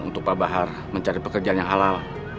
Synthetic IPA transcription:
ṵnt̪ʊk̚pabaɦar | məɲt͡ʃaɾipəkərd͡ʒanjaŋɦalal

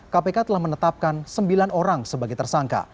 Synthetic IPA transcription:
kapekat̪əlahmənət̪ap̚kansəmbilanoɾaŋsəbaɡajt̪ərsaŋka̰

